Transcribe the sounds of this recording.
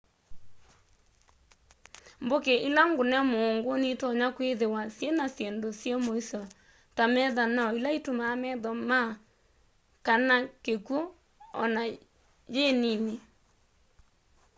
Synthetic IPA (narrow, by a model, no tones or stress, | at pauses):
mbokeʔilaŋɡonɛmoːŋɡonetɔɲakweðewasjɛnasjɛndosjɛmoisɔ | tamɛðanailaitomaːmɛðɔma | kanakekwo | ɔ̰na | jenine